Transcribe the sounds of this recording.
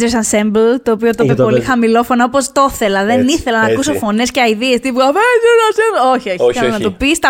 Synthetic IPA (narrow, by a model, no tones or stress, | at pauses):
zeɾisɐnsemblt̪o̞ːpio̞t̪op̪epolixɐmilo̞fo̞nɐopo̞st̪o̞θe̞lɐðe̞niθelɐnɐkusofo̞nesceɐiðiest̪ivuɐveznɐsioçioçɐnɐt̪opist̪ɐ